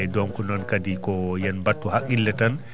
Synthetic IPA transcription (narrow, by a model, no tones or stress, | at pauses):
dɔmkɔnɔnkadikɔjɛnbatːuhakʼːilːɛtan